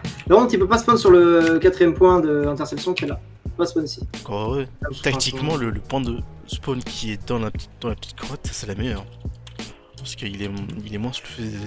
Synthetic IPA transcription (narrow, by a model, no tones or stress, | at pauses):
d̪ə̃t̪ypøpasə̥pɔnsyʁləkat̪χijɛmpwɛ̃d̪əd̪ɛ̃t̪ɛʁsɛpsjɔ̃kiɛla | y̥pøpasə̥pɔnisĩ̥kɔʁwɛt̪akt̪ikmɑ̃lələpwɛ̃d̪ə | spɔnkʲʰiɛd̪ɑ̃lapt̪td̪̥ɑ̃lapə̥t̪i̥t̪̚kʰʁɔt̪sɛlamɛjœʁ | pɑʁsə̥kəilɛilɛmwɛ̃sləfø